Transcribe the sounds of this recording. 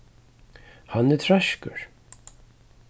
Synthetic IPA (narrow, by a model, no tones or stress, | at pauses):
hanːɛt̪ʰɾaʃkə̰ɹ̥